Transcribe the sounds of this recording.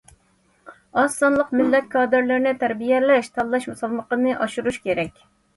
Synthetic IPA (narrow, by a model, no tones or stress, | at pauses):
ɑsɑnlˠəqmɪlːɛt̪̚kʰɑːd̪ɨɾlɪɾnɪt̪ʰæɾbijɛlɛʃt̪ʰɑlˠːɑʃmusɑlˠməqənɨʔɑʃuɾuʃkʲeɾɛkʲ